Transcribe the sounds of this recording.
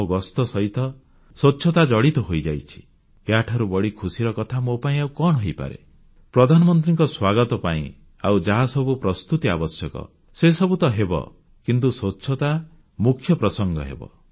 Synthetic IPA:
oɡɔst̪ɔsɔɦit̪ɔ | soːʃʰɔt̪ad͡ʒɔɽit̪ɔɦojd͡ʒa̰jt͡ʃʰi̥ | eaʈʰaɾubɔɽikʰusiɾɔkɔt̪ʰamopaĩaukɔɳ̃ɦɔjpa̰ɾḛ | pɾɔd̪ʱanɔmɔnt̪̬ɾiŋkɔswaɡɔt̪ɔpa̰ḭ̃ | a̰wd͡ʒaɦasɔbupɾɔst̪ut̪ia̰bɔsjɔkɔ̰ | sesɔbut̪ɔɦebɔ̰ | kint̪usotːʃʰɔt̪a | mukʰːjɔpɾɔsɔŋɡɔ̰ɦḛbɔ̰

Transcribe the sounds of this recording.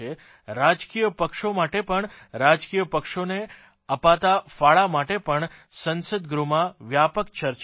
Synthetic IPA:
e | ɾad͡ʒkijəpəkʃomaʈepəɳɾad͡ʒkijəpəkʃone | əpat̪afaɭamaʈepəɳ | sənsəd̪ɡɾumãʋjapəkt͡ʃəɾt͡ʃ

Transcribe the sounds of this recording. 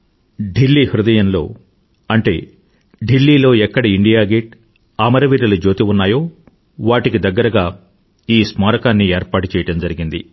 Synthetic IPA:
ɖilːiːhɾud̪ɐjɐnlo̞̰ː | ɐɳʈe̞̰ː | ɖilːiːlo̞ːɛkːɐɽiiɳɖijaːɡeːʈ̚ | aːmɐɾɐʋiːɾɐlɐd͡ʒo̞ːt̪iunːaːjo̞ː | ʋaːʈikid̪ɐɡːɐɾɐɡaː | iːsmaːɾɐkaːnːieːɾpaːʈut͡ʃɛːjɐɽɐmd͡ʒɐɾiɡind̪i

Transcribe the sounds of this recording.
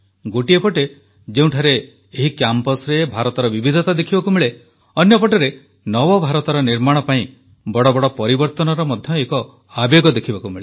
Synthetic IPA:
ɡoʈiepɔʈe | d͡ʒeũʈʰaɾeː | ɦikjampɔsɾebʱaɾɔt̪ɔɾɔbibid̪ʱɔt̪ad̪ekʰibɔkumiɭe | ɔnjɔpɔʈeɾe | nɔbɔbʱaɾɔt̪ɔɾɔniɾmaɽ̃ɔpaĩ | bɔɽɔbɔɽɔpɔɾibɔɾt̪ɔnɔɾɔmɔd̪ʱjɔekɔ | abeɡɔd̪ekʰibɔkumiɭe

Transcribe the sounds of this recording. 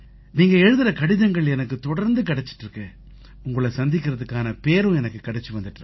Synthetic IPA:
niːŋɡɐɛɻɯðɪɾɐkɐɽɪðɐŋɡɐɭɛnɐkːɯt̪ɔɽɐɾnd̪ɯkɐɽɛt͡ʃːɪ̥ʈːrɾɯkːɯ | ʊŋɡɐɭɐsɐnd̪ɪkːɪɾɐðɯkːaːnɐpeːɾʊ̃ɛnɐkːɯkɐɽɛt͡ʃːɯʋɐnd̪ɯʈːɾɯ

